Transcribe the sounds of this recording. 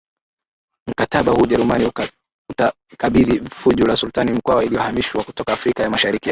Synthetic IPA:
m̩kataɓahuʄɛɾumani | uta | kaɓiðifuʄulasultanim̩kwawailijɔhamiʃwakutɔkaːfɾikajamaʃaɾikia

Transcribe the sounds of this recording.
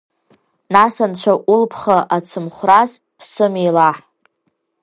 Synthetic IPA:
nasant͡ɕʷʰaʔulpʰχaʔat͡sʰɨmχʷraz | pʰsɨmejlaħ

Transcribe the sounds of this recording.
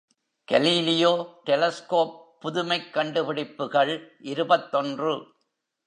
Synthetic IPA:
ɡ̥ɐliːlɪjoːʈɛlɐskoːpːʊðʊmɐɪkːɐɳɖɯpɪɽɪpːɯɣɐɭʔɪɾɯbɐt̪ːɔndrɯ

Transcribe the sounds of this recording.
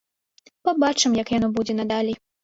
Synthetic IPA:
pabat͡ʂɨmjɐkjanɔbud͡zʲɛnad̪alʲi

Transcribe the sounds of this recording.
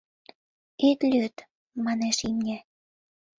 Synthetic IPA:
et̪lʲøt̪ | mɑneʃimnʲe

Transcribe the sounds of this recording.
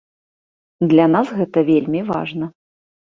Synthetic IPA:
d̪lʲanasɣɛt̪ɐvʲelʲmʲiva̰ʐnɐ

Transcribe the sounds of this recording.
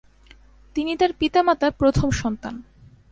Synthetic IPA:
t̪init̪aɾpit̪amat̪apɾot̪ʰomʃɔnt̪an

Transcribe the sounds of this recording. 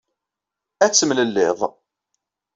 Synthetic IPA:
æt͡sːəmləlːɪðˤ

